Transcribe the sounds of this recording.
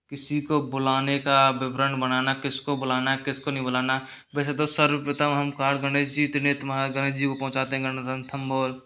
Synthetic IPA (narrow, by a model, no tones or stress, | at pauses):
kɪsikobʊlaːnekabɪbɾə̃ɳɖbənaːnakɪskobʊlaːnakɪskonɐɦĩbʊlaːna | bɛːset̪osəɾpɪt̪əmɦɐmkaːɾɡəneːd͡ʒit̪ɪnet̪maɾɡəñeːd͡ʒikopɐɦʊ̃t͡ʃaːt̪eɦɛ̃ɡənd̪ə̃nt̪ʰəmboːl